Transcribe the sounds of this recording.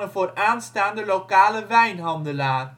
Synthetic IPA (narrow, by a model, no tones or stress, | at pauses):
ənvoːraːnstaːndəlokaːləʋɛjnɦɑndəlaː